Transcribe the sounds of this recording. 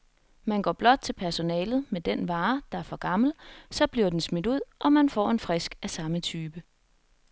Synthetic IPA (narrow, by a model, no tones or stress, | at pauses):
mænɡ̥ɒ̰ːb̥lɒ̽d̥̚t͡sʰe̝lpʰæɐso̝nɛːlð̞̩ˠmed̥enʋɑ̈ːd̥ɑ̈æɐfɒ̽ɡ̥ɑ̈ml̩sɒ̽b̥liɐd̥ensmed̥uð̰ˠʔɒ̽mænfɒ̰ːe̝nfʁɛsɡ̥æsɑ̈mət͡sʰyːb̥ə